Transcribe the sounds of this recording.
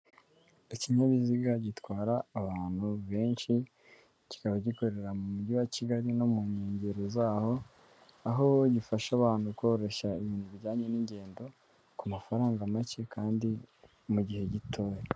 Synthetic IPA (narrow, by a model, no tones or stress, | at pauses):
iciɲaβiziɡaɟitwaːɾaːβaːn̥huβe̞ːnʃi | ci̥kaβaɟiko̞ɾe̞ɾamumuɟiwaciɡaɾinomuɲeːɲɟeɾozaːho̞ | aɦoɟifaʃaβaːn̥huko̞ːɾe̞ʃaiβiːnduβɟaːɲe̞niɲɟe̞ːndo̞ | kumafaɾaːŋɡamace̞kaːndi | muɟihe̞ɟitʰoje